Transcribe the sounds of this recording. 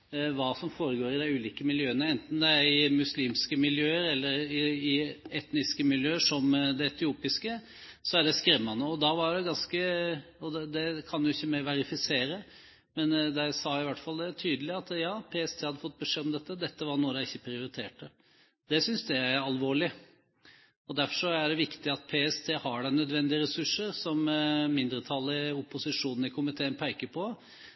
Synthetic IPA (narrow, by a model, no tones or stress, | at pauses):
ʋɑːsɔmfoːɾəɡoːɾɪd̪æɪʉːliːkəmɪljøːənəɛnt̪n̩d̪ɛæɾɪmʉsliːmskəmɪljøːəɾɛlːəɾɪɪɛt̪nɪskəmɪljøːəʂɔmd̪ɛɛt̪ɪuːpɪskə | sɔæɖɛskɾɛmːɑnəɔd̪ɑʋɑɖɛɡɑnskəɔd̪ɛd̪ɛkʰɑnjʊɪçːəmæʋɛɾɪfɪseːɾə | mɛnd̪æsɑːɪʋæʈːfɑld̪ɛt̪ʰyːd̪əlɪɑt̪jɑːpʰeːɛst̪ʰeːhɑd̪ːəfɔt̪̚ːbəʂeːɔmd̪ɛt̪ːəd̪ɛt̪ːəʋɑɾɳuːəd̪æɪçːəpʰɾɪʊɾɪt̪ʰeːʈə | d̪̥ɛsʏnsd̪ɛæɾɑlʋoːɭɪ | ɔd̪æɾfɔʂɔæɖɛʋɪkt̪ɪɑt̪̚pʰeːɛst̪ʰeːhɑɖænœd̪ʋɛnd̪ɪəɾɛsʉʂːəɾsɔmmɪnd̪ɾət̪ʰɑlːəʊpːʊsɪʂuːnn̩ɪkʰʊmɪt̪ʰeːnpʰæɪkəpʰɔ